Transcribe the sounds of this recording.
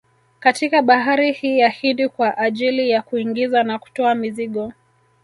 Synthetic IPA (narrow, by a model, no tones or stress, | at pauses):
katikaɓaɦaɾihiːjahindikwaʔaʄilijakuiŋɡizanaku̥tɔamiziɠɔ